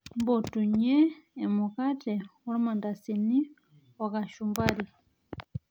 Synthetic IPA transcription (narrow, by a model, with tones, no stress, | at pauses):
mbɔ˨tu˨ɲɛː˦˨mu˨ka˦tɛ˨ɔ˦li˦ma˨nda˨si˨ni˦ | wa˨ka˨ʃu˨mba˦ɾi˨